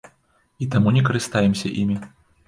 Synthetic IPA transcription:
it̪amunʲɛkɐɾɨst̪ajɛmsʲɐʔimʲi

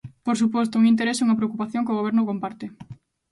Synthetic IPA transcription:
poɾsupɔst̪ouŋint̪eɾeseuŋɐpɾeokupaθjoŋkoɣ̞oβ̞ɛɾnʊkompaɾt̪ɪ

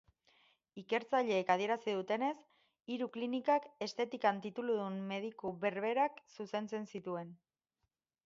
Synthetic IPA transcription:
ike̞ɾt͡saʎe̞ːkað̞ie̞ɾasiðut̪e̞ne̞s | iɾuklinikake̞st̪e̞t̪ikant̪it̪uluðunme̞ð̞ikuβe̞ɾβe̞ɾaksuse̞nt͡se̞nsit̪ue̞n

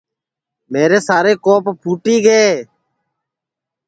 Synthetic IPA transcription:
meːɾeːsaːɾeːkoːppʰuːʈiːɡeː

